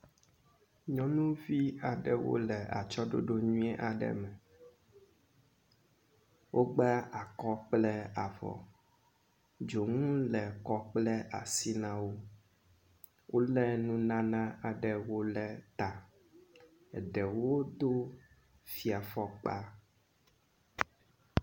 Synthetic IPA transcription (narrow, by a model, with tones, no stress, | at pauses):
ɲɔ̃˦nũ˦vi˦a˨ɖɛ˨wo̰˦lɛ˨a̰˨t͡ʃɔ˦ɖo̰˦ɖo˦ɲũ˦ɛ˦ʔa˨ɖɛ̰˨mɛ˨ | wʔo˦ɡ͡bɛ˦a˨kɔ˦k͡plɛ˦a˨vɔ̰˨ | d͡ʒo˨ŋũ˦lɛ˨kɔ˦k͡plɛ˦a̰˨si˦nã˦wo˦ | wʔo˦lɛ˦nũ˦nã˦nã˦a˨ɖɛ˨wo˦lɛ˦t̪a˨ | ɛ˨ɖɛ˨wo˦d̪o˦ | fi˨a˨fɔ˦k͡pa˦